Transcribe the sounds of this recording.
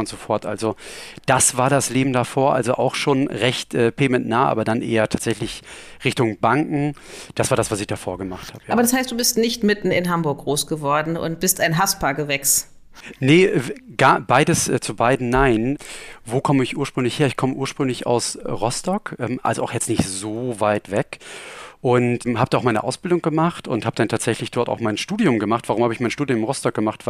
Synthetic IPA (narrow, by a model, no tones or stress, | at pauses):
ʊntz̥ofɔɐtʔa̰lzod̥asv̥aːɐdasleːbm̩dafoːɐʔa̰lzoʔa̰ʊxʃoːnʁɛçtʔɛːpʰeːmɛntnaːʔa̰ːbɐdanʔḛːɐtʰaːtz̥ɛçlɪçʁɪçtʊŋbaŋkŋ̩d̥asv̥aːɐdasv̥asɪçd̥afoːɐɡəmaχthaːbəaaːbɐɾashaɪstd̥uːbɪstnɪçtmɪtn̩ɪ̰nɦambʊɐkɡ̥ʁoːsɡ̥əvɔɐdn̩ʊ̰nt̚b̥ɪstaɪnɦaspʰaːɐɡəvɛks | nəɡ̥aːbaɪdəsʔɛt͡subaɪdn̩naɪnvoːkʰɔməɪçʔuːɐʃpʁ̥ʏŋlɪçheːɐɪçkʰɔməʔuːɐʃpʁ̥ʏŋlɪça̰ʊsʁɔstɔkʔɛmʔa̰lzoʔaʊxjɛt͡stnɪçtz̥oːvaɪtv̥ɛkʔʊntmhaːbədaʊxmaɪnəʔaʊsb̥ɪldʊŋɡəmaχtʊ̰nthaːbəd̥antʰaːtz̥ɛçlɪçd̥ɔɐta̰ʊxmaɪnʃtuːdjʊmɡəmaχtv̥aʁʊmhaːbəɪçmaɪnʃtuːdjʊmɪʁɔstɔk̚ɡ̥əmaχtv